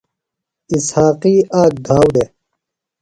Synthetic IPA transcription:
ishaːqiːaːk̚d̪ʱaːwd̪e

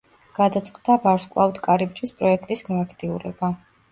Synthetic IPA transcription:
ɡ̥ad̪at̪sʼqʼd̪avaɾskʼlˠa̰vd̪kʼaɾib̚d͡ʒispʼɾɔɛkʰt̪ʼisɡɔakʰt̪ʼiuɾɛ̰ba

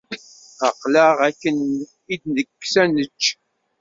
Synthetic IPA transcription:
aqləʁækːən | id̪nəkːsænət͡ʃː

